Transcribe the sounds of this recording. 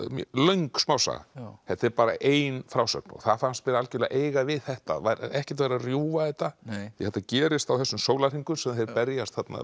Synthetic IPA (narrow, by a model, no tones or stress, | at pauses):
mlœɥjŋksmaːwsa̰ɣa̰hɛt̪ːɪɾpaːɾa̰ʔeːjnfɾawsœ̰pnɔ̰θaðfanst̪pɪɾalcʏla̰ʔeːjɣavɪðθɛht̪a̰vajɾaɛhcɛt̪vajɾarjuːvaθɛht̪ːaθɪhɛt̪ːacɛːɾɪst̪awθɛsːʏmsoːwlar̥iŋkʏsɛmθejɾpɛɾjast̪θat̪na̰